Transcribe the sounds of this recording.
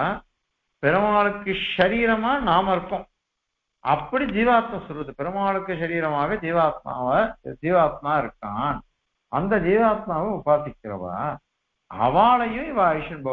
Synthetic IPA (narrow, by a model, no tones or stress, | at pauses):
pɪɾɐmaːɭɯkːɯʃɐɾiːɾɐmaːnaːmɪɾɯkːõː | ʔɐpːɐɽid͡ʒiːʋaːt̪mɐ̃sɔlʋɐðɯpɪɾɐmaːɭɯkːɯʃɐɾiːɾɐmaːɣɐd͡ʒ̪iːʋaːt̪̚ma̰ːʋɐd͡ʒiːʋaːt̪̚maːɪɾɯkːaːn | ɐnd̪ɐd͡ʒ̪iːʋaːt̪̚maːʋɐʊbaːɾt̪ɪkʲːɪɾɐ̰ʋa̰ː | ɐ̰ʋaːɭɐjʊ̃ɪʋaːjɪʂɐnbɐ